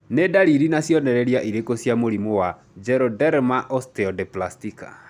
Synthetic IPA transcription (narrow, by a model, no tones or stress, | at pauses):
nedaɾiɾinasjɔnɛɾɛɾjaʔiɾekosjamoɾimowa | d͡ʒɛɾɔdɛɾmaʔɔstɛɔdeplastika̰